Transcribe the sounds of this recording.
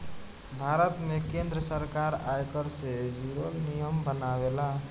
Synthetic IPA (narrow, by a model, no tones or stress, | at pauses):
bʱaɾət̪mekẽnd̪ɾəsəɾkaɾajkəɾsed͡ʒiɾolnijəmbənawela